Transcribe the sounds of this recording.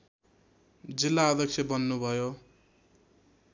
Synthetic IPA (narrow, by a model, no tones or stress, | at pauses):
d͡zilːaːd̪ʱʌksʰebʌnːubʱʌjo